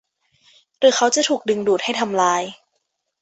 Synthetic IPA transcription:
ɾɯː˨˩˦xʰa˦˥wt͡ɕa˨˩t̪ʰuː˨˩k̚dɯ˧ŋduː˨˩t̪̚ha˥˩jt̪ʰa˧mlaː˧j

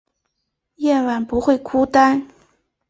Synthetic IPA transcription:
jɛ˥˩nwa˨˩npu˧˥xwe˥˩ɪkʰu˥t̪a˥n

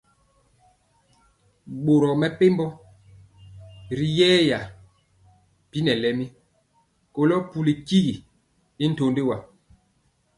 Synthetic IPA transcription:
ɓo˨ɾɔ˨mɛ˨pe˦mbɔ˦ | ɾi˨jɛː˦ja˨ | pi˦nɛ˨lɛ˨mi˦ | ko˨lɔ˦pu˦li˨ki˦ɣi˨ | i˦n̩˦to˨nde˦wa˨

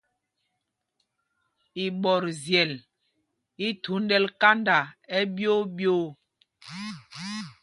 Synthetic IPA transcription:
i˨ɓɔ˨ɾzjɛ˨l | i˦tʰu˨˦n˦dɛ˦lka˦nda˨ɛ˦bjo˦bjo˦

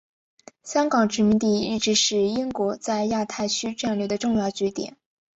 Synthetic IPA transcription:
ɕjɑ˥ŋkɑ˨˩ŋʈ͡ʂɻ̩˧˥mi˧˥ŋt̪i˥˩i˥˩ʈ͡ʂɻ̩˧˥ʂɻ̩˥˩i˥ŋkwɔ˧˥t͡sa˥˧ɪja˥˧t̪ʰa˥˩ɪt͡ɕʰy˥ʈ͡ʂa˥˧nlɥɛ˥˩d̪ə˩˦ʈ͡ʂʊ˥˧ŋjɑ˥˩ʊt͡ɕɛ˧˥t̪jɛ̰˨˩˦n

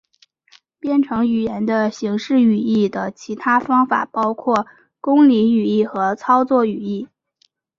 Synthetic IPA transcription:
pjɛ˥nʈ͡ʂʰɤ˧˥ŋy˨˩jɛ˧˥nd̪ə˧ɕi˧˥ŋʂɻ̩˥˩y˨˩i˥˩d̪ə˩t͡ɕʰi˧˥t̪ʰa˥fɑ˥ŋfa̰˨˩pɑ˥ʊkʰwɔ˥˩ | kʊ˥ŋli˧˥y˨˩i˥˩xɤ˧˥t͡sʰɑ˥ʊt͡swɔ˥˩y˨˩i˥˩

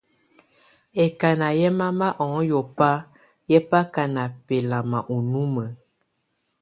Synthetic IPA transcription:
ɛ˨ka˨na˨jɛ˦ma˦ma˦ʔɔ̃˨˦jɔ˨pa˦ | jɛ˦pa˦ka˨na˨pɛ˨la˨ma˨ʔu˨nu˦mə˨

